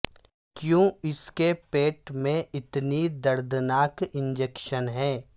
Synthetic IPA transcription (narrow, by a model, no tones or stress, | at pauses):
kjõːɪskepeːʈmẽʔɪt̪nid̪ɐɾd̪naːkɪ̃nd͡ʒekʃənɦɛː